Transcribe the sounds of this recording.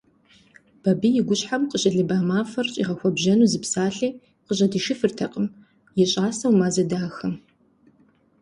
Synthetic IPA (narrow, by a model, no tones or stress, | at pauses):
b̥ɐbijɪɡʷʊɕħamqəɕʼɪɮɨbaːmaːfɐrɕʼḭʁɐxʷɔbʒɐnuːzɨpsaːɬiː | qəɕʼɐdiːʃɪfɨrtʰɐqʼəm | jɛɕʼaːsɐwmaːzɐdaːxɐm